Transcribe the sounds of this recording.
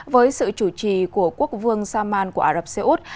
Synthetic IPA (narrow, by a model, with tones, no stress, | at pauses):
vəː˨˦jsɨ̰˧˨t͡ɕu˧˩t͡ɕḭ˧˨ku˧˩əku˦˥ək̚vɨ˧əŋsaː˧maː˧nku˧˩əʔaː˧zə˨˩p̚se˧ʔu˦˥t̚